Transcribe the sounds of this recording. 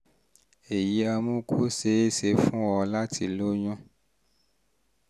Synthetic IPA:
e˨ji˨˦a˧mũ˦kʰu˦se˨˦e˦se˧fũ˦wɔ˧la˦ti˧lo˦ɲũ˦

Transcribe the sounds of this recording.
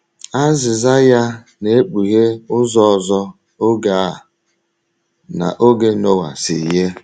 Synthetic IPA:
a˦zɪ˨za˦ja˦ | ne˨e˦k͡pu˨ɦe˦ʊ˦zɔ˦ɔ˨zɔ˦ | o˦ɡa˨˦˨ | na̰˨ʔo˦ɡe˦no˦wa̰˨sɪ̰˨je˦

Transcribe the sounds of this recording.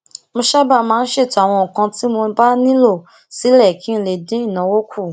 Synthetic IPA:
mõ˧ʃa˦ba˦˧˨mãː˨˦n̩˦ʃe˦˨to˨˦a˦˨w̃ɔ̃˧ɔ˨kã˧ti˦mo˧ba˦nĩ˦lo˦˨ | si˨˦lɛ˦˨ki˨˦n̩˧le˨dẽ˨˦i˦˨nã˨˦wo˦kʰu˦˨

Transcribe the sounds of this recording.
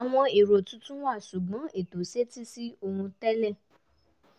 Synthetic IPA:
a˨w̃ɔ̃˧i˨ɾo˨tũ˧˦tũ˦wa˦˨ʃu˨ɡ͡bɔ̃˨˦ʔe˦˨to˨se˦ti˦si˦o˧ũ˧tɛ˦lɛ̃˦˨

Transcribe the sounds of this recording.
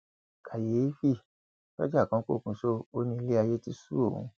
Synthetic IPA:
kʰa˨je˨˦fi˦˨ | ba˦d͡ʒa˦˨kã˧˦ko̰˦˨kũ˨˧˨so˦o˦nĩ˧le˦a˧je˦ti˦su˦o˦˨hṵ̃˧˦

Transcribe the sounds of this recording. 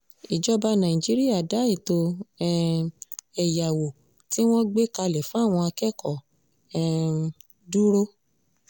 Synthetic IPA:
i˨d͡ʒɔ˦ba˧nã˨ĩ˨d͡ʒi˨˦ɾi˦ja˦˨da˨˦i˦˨to˧˦˧ | ɛ˨ja˨wo˨ | ti˦w̃ɔ̃˦ɡ͡be˦ka˧lɛ˨fũ˦˨w̃ɔ̃˧a˧kɛ˦kʰɔ˨ | ɛ˦˨ | du˦ɾo˦

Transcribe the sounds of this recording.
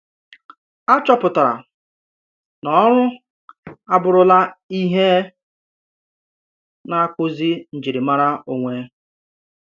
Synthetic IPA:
a˦t͡ʃɔ˦pʊ˨ta˨ɾa̰˨ | nɔ˨˦ɾʊ˦ | a˨bʊ˨ɾʊ˨la˦i˦ɦe˦ | na˦kʷʊ˦zi˦n̩˨d͡ʒi˨ɾi˨ma˦ɾa˦o˨ŋʷe˦

